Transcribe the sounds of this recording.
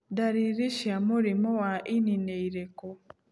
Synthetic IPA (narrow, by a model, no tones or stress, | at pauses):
daɾiɾiʃamuɾimowaʔinineiɾeko